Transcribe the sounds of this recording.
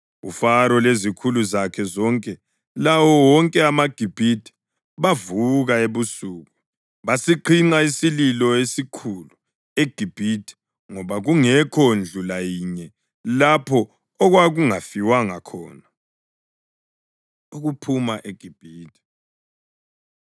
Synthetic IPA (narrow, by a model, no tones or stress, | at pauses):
ṵfaɾɔlezikʰuluzakʰɛzɔŋkʼɛ | lawɔwɔŋkʼɛamaɡ̥ʱib̥ʱitʰʼi̥ | βavuɣaeβusuːɣu | βasiǃʰiŋ͡ǀaisililɔesikʰulu | eɡ̥ʱib̥ʱitʰi̥ | ŋɔβaɣuŋɛkʰond͡ɮʱulajiɲɛ | lapʰɔː | ɣwaɣuŋafiwaŋakʰɔːna | uɣupʰumaʔeɡ̥ʱib̥ʱiːtʰʼi̥